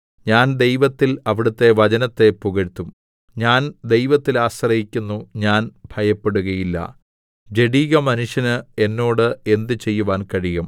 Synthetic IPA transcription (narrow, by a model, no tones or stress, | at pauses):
ɲaːnd̪e̞jʋɐt̪ːilɐʋiɽut̪ːe̞ʋɐt͡ɕɐnɐt̪ːe̞puɣɐɻt̪ːum | ɲaːnd̪e̞jʋɐt̪ːilaːɕrɐjikʲːunːuɲaːnb̥ʱɐjɐpːeɽuɣɐjilːɐ̰ | d͡ʑe̞ɽiːɣɐmɐnuʂjɐnɨe̞nːo̞ːɽɨe̞nd̪ɨt͡ɕe̞jːuʋaːnkɐɻiɣɐm